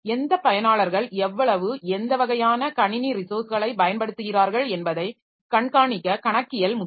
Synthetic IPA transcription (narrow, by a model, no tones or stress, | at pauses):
ɛnd̪ɐpːɐjɐnaːɭɐɾɣɐɭɛʋːɐɭɐʋɯɛnd̪ɐʋɐɣɐjaːnɐkɐɳɪniɾɪsoːsɯɣɐɭɐɪbɐjɐnpɐɽɯt̪ːɯɣɪraːɾɣɐɭɛnbɐðɐɪ | kɐɳkaːɳɪkːɐkɐɳɐkːɪjɐlmʊ